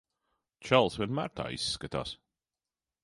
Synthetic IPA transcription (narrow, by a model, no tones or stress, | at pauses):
t͡ʃʰalˠswənma̰ɹt̪ʰa̰jskət̪ʰa̰s